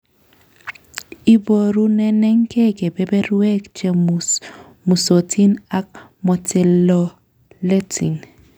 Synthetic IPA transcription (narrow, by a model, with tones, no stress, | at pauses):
i˨bo˨ɾu˦nɛ˦nɛ˦ŋkʰɛ˦ɡe˨bɛ˦bɛ˦ɾwɛ˦kt͡ʃe˨ | mu˨so˨tʰi˦na˦k̚ | mɔ˨tɛ˨lɔ˨ | le˦tʰḭ˨n